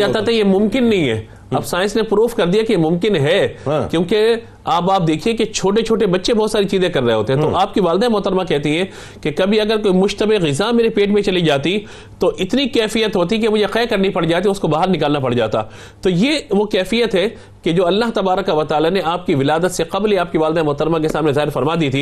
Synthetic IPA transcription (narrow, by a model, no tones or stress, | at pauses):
aːt̪at̪jemʊ̃mkɪnːɐɦĩɦɛ̰ː | ɐ̰bsaːɪ̃nsnepɾuːfkɐɾd̪ijakejemʊ̃mkɪnɦɛkjõːke | aːpaːp̚d̪eːkʰieket͡ʃʰoːʈ̬et͡ʃʰoːʈebɐtːʃʰẽbɔːt̪saːɾit͡ʃiːzẽkɐɾːɐɦeɦoːt̪eɦɛ̃t̪oʔaːp̚kiʋaːld̪aẽmʊɦt̪əɾmakɛɦt̪iɦɛ̃ | kekɐbʱiɐɡəɾkoːimʊʃt̪əbeɣɪzameːɾepeːʈmẽt͡ʃɐlid͡ʒaːt̪i | t̪oʔɪt̪nikɛːfijət̪ɦoːt̪̬ikemʊd͡ʒʱeqɛːkɐɾnipɐɽd͡ʒaːt̪iʊskobaːɦəɾnɪkaːlnapɐɽd͡ʒa̰ːt̪a̰ː | t̪ojeʋokɛːfijət̪ɦɛ | ked͡ʒoːɐlːaːɦt̪ɐbaːɾəkɐʋɐt̪aːlaneaːp̚kiʋɪlaːd̪ət̪seqɐbliaːp̚kiʋaːld̪amʊɦt̪əɾmãkesaːmnezaːɦɪɾfɐɾmaːd̪iːt̪ʰiː